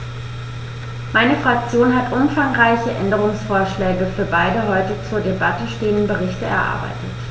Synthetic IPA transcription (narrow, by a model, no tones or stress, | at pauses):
maɪnəfʁ̥ak̚t͡sjoːnɦatʔʊmfaŋʁaɪçəʔɛndəʁ̞ʊŋsfoːɐʃlɛːɡəfyːɐbaɪdəɦɔʏtət͡suːɐdebatəʃteːəndn̩bəʁɪçtəɛ̰ɐʔa̰ɐba̰ɪtət